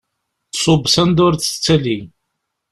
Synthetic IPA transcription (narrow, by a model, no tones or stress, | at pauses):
sˤobsænd̪ʊɾt͡sːə̥t͡sːæli